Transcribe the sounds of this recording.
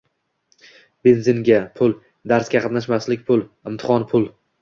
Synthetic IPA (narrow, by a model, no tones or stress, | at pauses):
be̞nzɪnɡʲapʰʊlˠ | d̪aɾskʲaqʰɑt̪naʃ̬maslɪkʲpʰʊlˠɪmt̪ʰɪ̥χɒnpʰʊlˠ